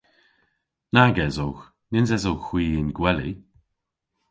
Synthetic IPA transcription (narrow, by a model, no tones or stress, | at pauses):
naɡɛzowx | nɪnzɛzowxw̥iːɪnɡwɛlḭ